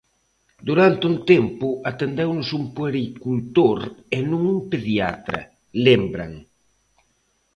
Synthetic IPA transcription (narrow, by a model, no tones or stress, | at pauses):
d̪uɾant̪unt̪empuat̪end̪ewnʊsumpueɾikult̪oɾenũŋumpeðja̰t̪ɾɐ̰ | lembɾa̰ŋ